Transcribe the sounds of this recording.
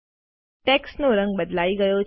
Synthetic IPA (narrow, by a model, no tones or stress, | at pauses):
ʈɛksnoɾəŋɡ̚bəd̪laiɡəjo